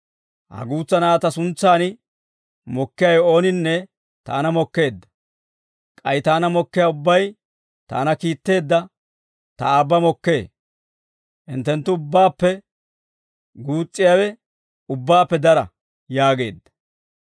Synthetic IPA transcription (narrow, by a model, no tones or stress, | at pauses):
hɐ̰ɡuːt͡sːɐnaːt̪ɐsʊnt͡sːaːnɪ | mɔkːɪjɐjo̞ːnɪnːɛ | t̪a̰ːnɐmɔkːe̞ːd̪ːɐ̥ | kʼɐjt̪aːnɐmɔkːɪjaːʊbːɐj | t̪a̰ːnɐkiːt̪ːe̞ːd̪ːɐ | t̪ɐ̰aːbːɐmɔkːe̞ː | ʔɪnt̪ːɛnt̪ːʊːʊbːaːpːɛ | ɡuːt͡sʼːɪjaːwɛ | ʊbːaːpːɛd̪ɐɾɐ | jaːɡe̞̰ːd̪ːɐ̥